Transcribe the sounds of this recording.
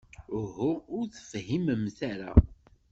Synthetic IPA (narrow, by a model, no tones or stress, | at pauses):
hʊʊɾθə̥fhiməmθaɾa̰